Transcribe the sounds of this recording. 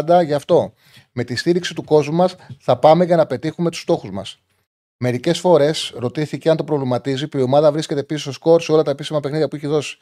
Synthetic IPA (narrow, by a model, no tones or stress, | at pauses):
nd̪ɐʝɐːft̪o̞ | me̞t̪ist̪iɾiksit̪uko̞zmumɐsθɐpɐme̞ʝɐnɐpe̞t̪ixumet̪u̥st̪o̞xuzmɐ̰s | me̞ɾice̞sfo̞ɾe̞sɾo̞t̪iθiceɐnt̪o̞pɾo̞vlimɐt̪izipio̞mɐðɐvɾiscet̪episisosko̞ɾseo̞lɐt̪ɐepisimɐpe̞xniðʝjɐpuiçeðo̞si̥